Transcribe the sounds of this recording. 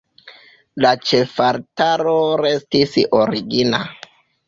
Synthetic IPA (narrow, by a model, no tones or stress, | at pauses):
lat͡ʃe̞faɾtaɾoɾe̞stisoɾiɡina̰